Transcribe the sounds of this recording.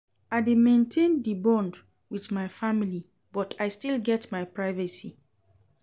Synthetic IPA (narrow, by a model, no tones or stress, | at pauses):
aɪdemẽntʰẽndibɔ̃nd | wiðmajfamili | bɔtʰajstilɡɛtmaɪpɹaɪvəsi